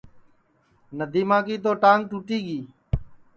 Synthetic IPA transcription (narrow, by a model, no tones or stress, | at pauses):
nəd̪ʱiːmãːkiːt̪̬oːʈãːŋʈuːʈiːɠiː